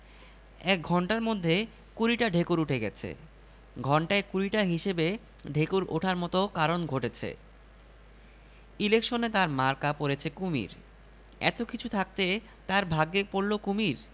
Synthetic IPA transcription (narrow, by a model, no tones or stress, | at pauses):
ɛk̚ɡʱɔɳʈaɾmod̪ʱːe | kuɾiʈaɖʱekuɾuʈʰeɡɛt͡ɕʰḛ | ɡʱɔɳʈaekuɾiʈaɦiʃebe | ɖʱekuɾo̰ʈʰaɾmɔt̪okaɾonɡʱoʈet͡ɕʰḛ | ilekʃonet̪aɾmaɾkapoɾet͡ɕʰekumḭɾ | ɛ̰t̪okit͡ɕʰut̪ʰak̚t̪e | t̪aɾbʱaɡːepoɾlokumiɾ